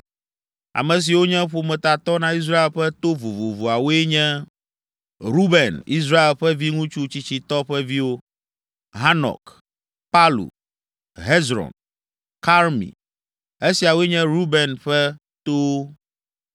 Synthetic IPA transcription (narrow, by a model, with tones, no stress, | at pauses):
a̰˨mɛ̃˨s̬i˨wo˦ɲɛ̃˦ɸo˨mɛ̃˨t̪a˨t̪ɔ˦nã˦i˦s̬ɾa˦e˨lɸɛ˦t̪o˦vu˨vo˨vo˨a˨wo˦e˦ɲɛ̃˦ | ɾu˦bɛ˨nḭ˦s̬ɾa˦e˨lɸɛ˦vi˦ŋũ˦t͡ʃu˦t͡ɕi˦t͡ɕi˨t̪ɔ˦ɸɛ˦vi˦wo˦ | ɦa˦nɔ̰˨k | pa˦lṵ˨ | ɦɛ˦zɾɔ̰˨n | ka˦ɾmḭ̃˨ | e˦si˨a˨wo˦e˦ɲɛ̃˦ɾu˦bɛ˨nɸɛ˦ | t̪o˦